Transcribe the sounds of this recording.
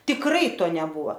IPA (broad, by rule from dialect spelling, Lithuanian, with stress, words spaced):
tʲɪkˈrɐɪ ˈtoː nʲɛˈbuːʋoː